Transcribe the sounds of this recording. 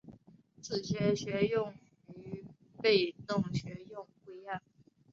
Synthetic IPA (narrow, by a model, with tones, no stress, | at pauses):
t͡sɹ̩˥˩ɕɥɛ˧˥ɕɥɛ˧˥jʊ˥˩ŋ | y˧˥ | pe˥˧ɪnʊ˥˩ŋɕɥɛ˧˥jʊ˥˩˧ŋxwe˥˧ɪa˥˩n